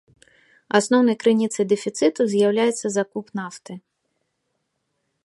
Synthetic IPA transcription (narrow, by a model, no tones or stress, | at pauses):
asnɔwnɐjkɾɨnʲit̪sɐjd̪ɛfʲit̪sɨt̪uzʲjawlʲajɛt̪sːɐzakupnaft̪ɨ